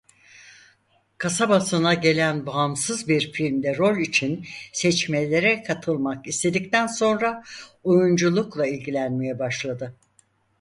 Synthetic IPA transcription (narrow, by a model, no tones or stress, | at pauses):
kʰasabasɯnaɟe̞lʲænbaamsɯzbiɾfilʲmd̪ɛɾo̞lʲit͡ʃʰinsɛt͡ʃmelʲe̞ɾɛkʰat̪ʰɯlˠmakist̪ʰe̞d̪ic̚t̪ʰænso̞nɾaojund͡ʒulˠuklˠailʲɟilʲænmejɛbaʃlˠad̪ɯ